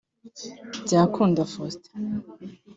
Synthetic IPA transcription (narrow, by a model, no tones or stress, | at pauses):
ɟaːkʰuːndafost